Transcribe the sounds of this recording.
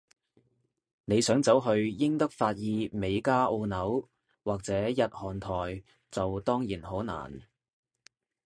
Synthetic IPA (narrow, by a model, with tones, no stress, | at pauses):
ne˨˧jsœː˨˥ŋt͡sɐ˨˥wɦɵ˧ɥjɪ˥ŋt̪ɐ˥k̚faː˧t̚jiː˧me˨˧jkaː˥ʔo˧nɐ˨˥w | waː˨k̚t͡sɛː˨˥jɐ˨t̚hɔː˨˩nt̪ʰɔː˨˩j | t͡sɐ˨wt̪ɔː˥ŋjiː˨˩nho˨˥wna̰ː˨˩n